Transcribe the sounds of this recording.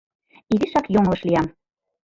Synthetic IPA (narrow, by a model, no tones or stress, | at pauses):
iɣiʃɑkjoŋlɤ̆ʃlijɑm